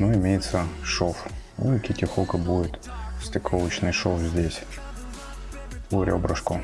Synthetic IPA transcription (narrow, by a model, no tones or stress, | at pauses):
nuɪmʲejɪt̪səʂof | ṵkʲɪtʲɪxokɨbudʲɪt̪sʲt̪ʲɪkolˠət͡ɕnɨjʂofzʲdʲesʲ | ʊɾʲo̰bɾəʂkʊ